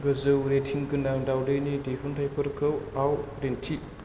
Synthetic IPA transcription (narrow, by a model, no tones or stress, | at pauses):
ɡɯzɯwɾetʰiŋɡɯnaŋdawdɯjnidefʰuntʰajpʰɯɾkʰɯwawdentʰi